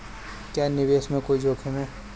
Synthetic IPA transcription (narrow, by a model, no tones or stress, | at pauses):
kjaːnɪʋeːsmẽkoid͡ʒoːkʰemẽː